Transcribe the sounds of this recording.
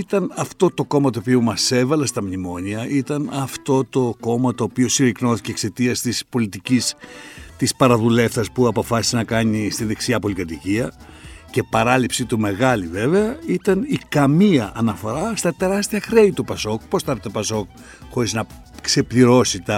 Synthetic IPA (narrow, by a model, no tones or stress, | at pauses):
it̪ɐnɐft̪o̞t̪o̞ko̞mɐt̪oːpiomɐse̞vɐlɐst̪ɐmɲimo̞ɲiɐʔit̪ɐnɐft̪o̞t̪o̞ko̞mɐt̪o̞ːpio̞siɾikno̞θi̥cekse̞t̪iɐst̪ispo̞lit̪icist̪ispɐɾɐðule̞fθɐspuɐpo̞fɐsi̥senɐkɐɲist̪inðe̞ksiɐpo̞likɐt̪iciɐ | ce̞pɐɾɐlipsit̪ume̞ɣɐlive̞ve̞ɐit̪ɐnikɐmiɐʔːnɐfo̞ɾɐst̪ɐt̪e̞ɾɐst̪iɐxɾeit̪upɐso̞kpo̞st̪ɐɾet̪opɐso̞k | xo̞ɾiznɐ | kse̞pliɾo̞sit̪ɐ